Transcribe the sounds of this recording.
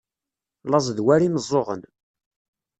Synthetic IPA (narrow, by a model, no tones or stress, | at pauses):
lɑzˤðwæɾiməzˤːoʁə̰n